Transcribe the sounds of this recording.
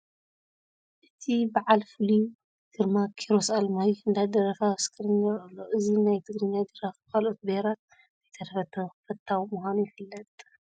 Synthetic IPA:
ʔɨt̪ʰibaʕalfɨliju | d̪̥ɨɾmakʰiɾosalmajuɨnd̪ad̪ɐɾɐfawskʰɨɾinɐɾɨlːoʔɨzinajt̪ʰɨɡɾɨɲad̪ɨɾafkʰalʔo̞t̪̚bɐhɾat̪ | zɐjt̪ʰɐd̪ɐfɐt̪ʰːɐfɐt̪ʰːawmuhʷanujɪfɨlːɐt̪ʼ

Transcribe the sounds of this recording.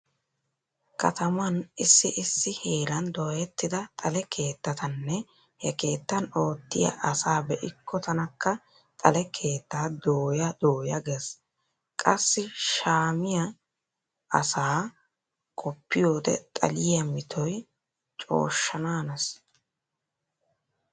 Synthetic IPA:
kɐ̰t̪ɐmɐnɪsːɪʔɪsːɪhe̞ːɾɐnd̪oːjɛt̪ːɪd̪ɐt̪ʼɐlɛkʰe̞ːt̪ːɐt̪ɐnːɛ | hɛke̞ːt̪ːɐno̞ːt̪ːɪjɐ̰ʔɐsaːbɛʔɪkːɔt̪ɐnɐkːɐ | t̪ʼɐlɛkʰe̞ːt̪ːaːd̪oːjɐd̪oːjɐɡes | kʼɐsːɪʃaːmɪjɐ | ɐsaː | kʰɔpːɪjo̞ːd̪ɛ̰t̪ʼɐ̰lɪjɐmɪt̪ʰɔj | t͡ʃʼo̞̰ːʃːɐnaːnɐs

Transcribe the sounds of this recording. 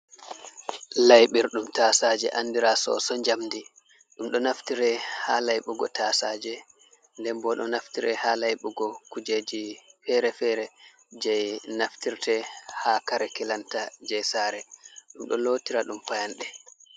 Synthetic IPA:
lajɓiɾɗumtaːsaːd͡ʒɛ̰ʔanːdiɾasɔ̰sɔɲd͡ʒamdi | ɗumɗɔnaftiɾɛhalajɓuɡɔtasad͡ʒɛ | ndɛmbɔɗɔ̰naftiɾɛhalajɓuɡɔkud͡ʒed͡ʒifɛɾɛfɛɾɛ | d͡ʒɛjnaftiɾtɛhakaɾɛkɛlantad͡ʒɛjsaːɾɛɗumɗɔloːtiɾaɗumpajanɗɛ

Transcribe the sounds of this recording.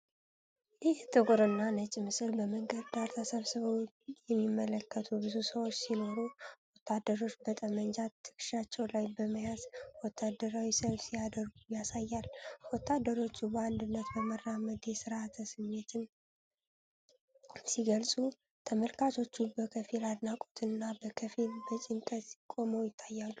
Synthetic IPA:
jɪht̪ʰʼɨkʼɾɨnːanət͡ʃʼɪmɨsɨlbəməŋɡəd̪t̪aɾt̪ʰəsəβsəβo | jɛmːimːələkːət̪ʰubɨzusəwot͡ʃːsino̞ɾuwɔt̪ʰːad̪ːəɾo̞t͡ʃːbət̪ʼəmənd͡ʒat̪ʰːɨ̥kɨ̥ʃat͡ʃːɛwlajbəməjazwɔt̪ʰːad̪əɾawisəβsijad̪əɾɡujasajːalwɔt̪ʰːad̪ːəɾo̞t͡ʃːubəand̪ɨnːət̪bəmərːaməd̪esɨɾat̪ʰəsɨmːe̞t̪ʰɨn | siɡəlsʼu | t̪ʰəməlkʰat͡ʃʰo̞t͡ʃːubəkʰəfilad̪nakʼo̥t̪ʰɨnːabəkʰəfilbət͡ʃʼɪnt̪ʼət̪ikʼo̞mowjɪt̪ʰːajːalːu

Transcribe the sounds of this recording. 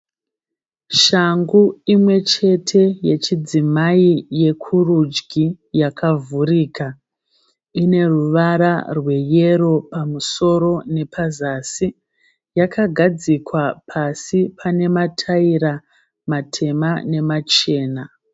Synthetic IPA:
ʃaŋɡuimwe̞t͡ʃe̞tʰe̞je̞t͡ʃid͡zimaije̞kʰurud͡ʒɡʱi | jakʰavuɾiːka | ine̞ruʋaɾarwe̞je̞ɾo̞pamuso̞ɾo̞ne̞pʰazaːsi | jakʰaɡʱad͡zikwapʰasipʰane̞matʰaiɾa | matʰe̞mane̞mat͡ʃe̞ːna

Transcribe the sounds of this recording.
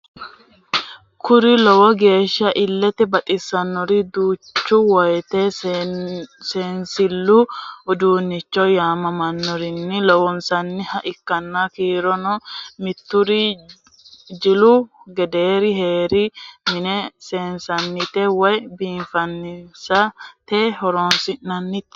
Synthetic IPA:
kʰʊɾɪlɔwɔɡe̞ːʃːɐʔɪlːɛt̪ɛbɐt̪ʼɪsːɐnːɔɾɪd̪uːt͡ʃːuwɐjt̪e | seːnsɪlːuʊd̪uːnːɪt͡ʃːɔjaːmɐmɐnːɔɾɪnːɪlɔwɔnsɐnːɪhɐʔɪkːɐnːakiːɾɔnɔmɪt̪ːʊɾɪ | d͡ʒɪlʊɡɛd̪eːɾɪɦeːɾɪmɪnɛseːnsɐnːɪt̪ɛwɐjbiːnfɐnːɪsɐt̪eːhɔɾoːnsɪnnɐnːɪt̪

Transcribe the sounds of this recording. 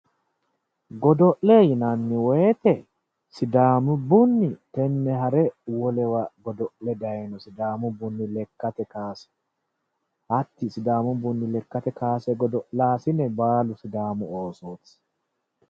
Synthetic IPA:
ɡɔd̪ɔʔlejɪnanːɪweːt̪ɛ | sɪd̪aːmʊbʊnːɪt̪ɛnːɛɦɐɾɛwɔlɛwɐɡɔd̪ɔʔlɛd̪ɐjɛnɔsɪd̪aːmʊbʊnːɪlɛkːɐt̪ɛkaːsɛ̥ | hɐt̪ːɪsɪd̪aːmʊbʊnːɪlɛkːɐt̪ɛkaːsɛɡɔd̪ɔʔlaːsɪnɛbaːlʊsɪd̪aːmʊoːsoːt̪

